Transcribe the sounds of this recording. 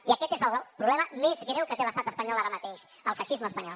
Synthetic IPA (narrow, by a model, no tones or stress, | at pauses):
iəkɛt̪ezəlˠpɾuβlɛməmezɣɾɛwkət̪eləst̪at̪əspəɲɔlaɾəmət̪eʃ | əlˠfəʃizməspəɲɔlˠ